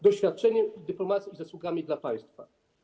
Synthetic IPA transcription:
d̪ɔɕfʲjat̪̚ːt͡ʂɛɲɛmd̪ɘplɔmat̪sʲiizaswuɡamʲid̪lapaj̃st̪fa

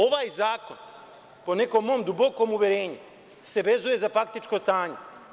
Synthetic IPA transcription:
o̞ʋaːjzaːko̞n | po̞ne̞ko̞mːo̞md̪ubo̞ko̞ːmuʋje̞ɾeːɲu | se̞ʋe̞zuje̞zafak̚t̪it͡ʃko̞st̪aːɲe̞

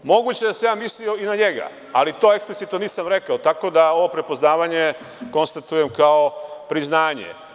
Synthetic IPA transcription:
mo̞ɡut͡ɕed̪asejaːmislio̞inaɲe̞ɡa̰ | alit̪o̞ːe̞ksplit̪it̪noniːsamɾe̞kaot̪ako̞d̪ao̞ʋo̞pɾe̞po̞znaːʋaɲe̞ | ko̞nst̪at̪uje̞mkao̞pɾiznaːɲḛ

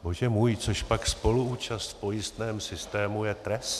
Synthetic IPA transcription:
boʒɛmuːjt͡soʃpakspo̞luuːt͡ʃast̪po̞jɪst̪nɛːmsɪst̪ɛːmujɛt̪ɾɛst̪

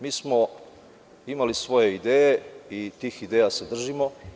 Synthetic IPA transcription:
miːsmo̞ | imalisʋo̞je̞id̪eːje̞it̪iːxid̪ejase̞d̪r̩ʒimo̞

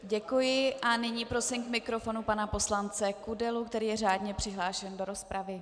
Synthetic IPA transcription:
ɟɛkujɪʔanɪɲiːpɾo̞sɪmkmɪkɾo̞fo̞nupanapo̞slant͡sɛkudɛlukt̪ɛɾiːjɛraːdɲɛpr̥ɪɦlaːʃɛndo̞ɾo̞spɾavɪ

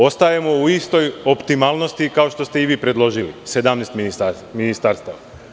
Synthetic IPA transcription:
o̞st̪ajemo̞uist̪o̞jo̞pt̪imaːlˠno̞st̪ikao̞ʃt̪o̞st̪e̞iʋiːpɾe̞d̪lˠo̞ʒilḭse̞d̪amnest̪minisa | minist̪aːɾst̪aʋa

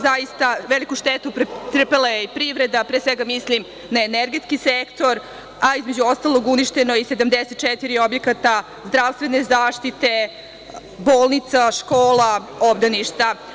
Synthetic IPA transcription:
zajist̪aʋelikuʃt̪et̪upt̪ɾəpelajeipɾiʋɾed̪apɾeːsʋeɡamislim | naeneɾɡe̞t̪skisekt̪o̞ɾ | aizmed͡ʑuo̞st̪alˠo̞ɡuniʃt̪eno̞ised̪amd̪eset̪̚t͡ʃɛt̪iɾio̞bje̞kat̪a | zd̪ɾaʋst̪ʋene̞zaːʃt̪it̪e̞ | boːlˠnit̪saʃkoːla | obd̪aniʃt̪a

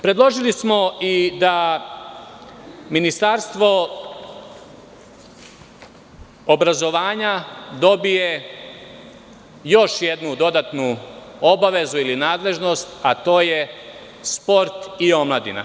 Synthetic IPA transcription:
pɾe̞d̪lˠo̞ʒilismo̞id̪a | minist̪aɾst̪ʋo̞ | obɾazo̞ʋaːɲad̪o̞bije̞ | jo̞ʃje̞d̪nud̪o̞d̪at̪nuo̞baʋe̞zuilinaːd̪le̞ʒno̞st̪at̪o̞ːje | spo̞ɾt̪io̞mlad̪ḭna̰

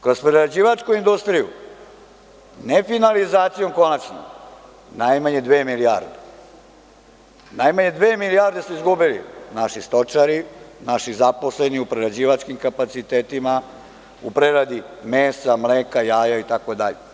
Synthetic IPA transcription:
kɾo̞spɾeɾad͡ʑiːʋat͡ʃkuind̪ust̪ɾijṵ | nefinalizaːt̪sijo̞mko̞nat͡ʃno̰ | najmaɲe̞d̪ʋeːmilijaɾd̪e | najmaɲe̞d̪ʋeːmilijaɾd̪e̞smuizɡubilḭnaʃist̪o̞t͡ʃaɾinaʃizapo̞sle̞niupɾeɾad͡ʑiːʋat͡ʃkimkapat̪sit̪eːt̪ima | upɾeɾad̪imeːsamleːkajaːjait̪akod̪a̰ʎe

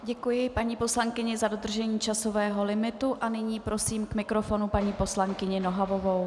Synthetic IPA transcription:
ɟɛkujɪpaɲiːpo̞slaŋkɪɲɪzado̞d̪r̩ʒɛɲiːt͡ʃaso̞vɛːɦo̞lɪmɪt̪uʔanɪɲiːpɾo̞siːmkmɪkɾo̞fo̞nupaɲiːpo̞slaŋkɪɲɪno̞ɦavo̞vow

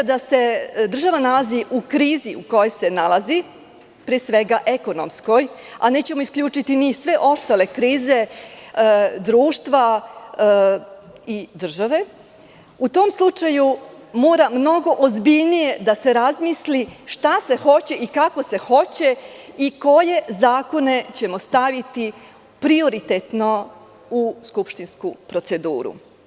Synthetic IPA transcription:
d̪ase̞d̪r̩ʒaʋanalaziʔukɾiːziʔuko̞jo̞jse̞nalˠazi | pɾesʋe̞ɡaʔe̞ko̞no̰msko̞jane̞ːt͡ɕe̞moiskʎuːt͡ʂit̪inisʋe̞ʔo̞st̪ale̞kɾiːze̞ | d̪ɾuːʃt̪ʋa | id̪r̩ʒaʋe̞ | ut̪o̞mslˠut͡ʃaju | mo̞ːɾamno̞ɡo̞ʔozbiʎnije̞d̪ase̞ɾazmisliʃt̪ase̞xo̞t͡ɕe̞ʔikako̞se̞xo̞t͡ɕe̞iko̞je̞zaːko̞ne̞t͡ɕe̞mo̞st̪aʋit̪i | pɾioɾit̪et̪no̞ | uskupʃt̪inskupɾo̞t̪se̞d̪ṵːɾṵ

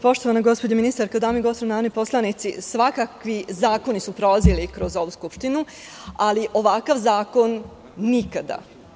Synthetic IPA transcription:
po̞ʃt̪o̞ʋanaɡo̞spod͡ʑaminist̪aɾkad̪aːmiɡo̞st̪onaːnoipo̞slˠanit̪sḭsʋakakʋizaːkonisupɾolazilikɾo̞zo̞ʋuːskupʃt̪inu | aliʔo̞ʋakaʋzaːko̞nː | ikad̪a̰

